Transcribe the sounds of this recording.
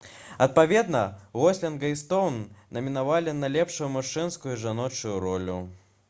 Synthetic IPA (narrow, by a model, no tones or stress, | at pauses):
ɐt̪̚pavʲɛd̪nɐɣɔsʲlʲɛnɡɐjst̪ɔwnːɐmʲinavalʲinɐlʲɛpʂʊjumaʂɨnskujʊiʐanɔt͡ʂujuɾɔlʲu